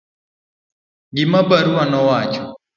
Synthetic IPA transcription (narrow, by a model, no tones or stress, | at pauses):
ɡɪmabaɾuanɔwat͡ʃɔ